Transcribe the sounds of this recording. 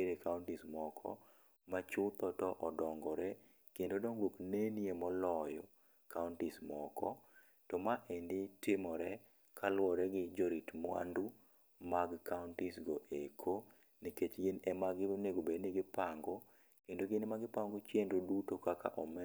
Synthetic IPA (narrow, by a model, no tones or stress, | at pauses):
eɾekauntɪsmɔkʰɔ̰ | mat͡ʃʊt̪ɔtɔʔɔdɔŋɡɔɾɛ | kendodɔŋɡwokneniemɔlɔjɔ | kaʊntɪsmɔkʰɔ̰ | tɔmaʔendɪtɪmɔɾɛ | kʰalwɔɾɛɡɪd͡ʒɔɾitmwa̰ndu | maɡkaʊntɪsɡoʔekʰo | niket͡ʃɡɪnɛmaɡɪneɡobednɪɡɪpaŋɡɔ | kendoɡɪnmaɡɪpaŋɡot͡ʃjendodutokaka̰ʔɔmɛ